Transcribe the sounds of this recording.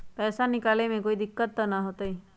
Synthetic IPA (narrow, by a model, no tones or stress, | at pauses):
pɛːsanikalemẽkoid̪ikːət̪ːɔnaɦot̪ɔj